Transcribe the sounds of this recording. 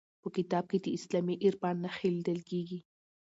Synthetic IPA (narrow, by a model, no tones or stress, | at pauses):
pokit̪aːb̚kit̪iʔislamiʔiɾpaːnːaχild̪elkiːɡi